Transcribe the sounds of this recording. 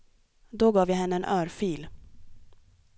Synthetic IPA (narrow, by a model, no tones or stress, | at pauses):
d̪oɡɑːvjaɦɛnːəɛnʔœːɾfyːl